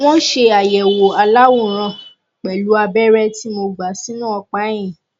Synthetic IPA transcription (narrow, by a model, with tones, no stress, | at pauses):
w̃ɔ̃˦ʃe˧a˨jɛ˨wo˨a˧la˦wo˦˨ɾ̃ã˧˨ | k͡pɛ˨lu˨˦a˧bɛ˦ɾɛ˦ti˦mo˧ɡ͡ba˨si˦nũ˦ɔ˧k͡pa˦j̃ĩ˨